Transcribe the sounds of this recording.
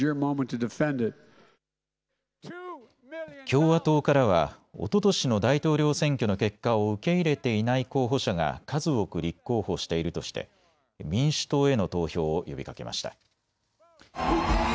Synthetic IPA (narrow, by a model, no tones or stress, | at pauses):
ə˞mõʊ̃mə̃ntʰɨdɨfɛ̃ndɪt̚ | kʲo̞ːβat̪o̞ːkaɾaβa̰o̞̰t̪o̞t̪o̞ɕino̞d̪ait̪o̞ːɾʲo̞ːsẽ̞ŋkʲo̞no̞ke̞kːaoɯ̟ke̞iɾe̞t̪e̞inaiko̞ːɦo̞ɕaɡa̰kazɨo̞kɯ̟ɾʲikːo̞ːho̞ɕi̥t̪e̞iɾɯ̟t̪o̞ɕi̥t̪e̞̰ | mʲĩɰ̃ɕɨ̥t̪o̞ːe̞no̞t̪o̞ːço̞ːjo̞bʲikake̞ma̰ɕi̥t̪a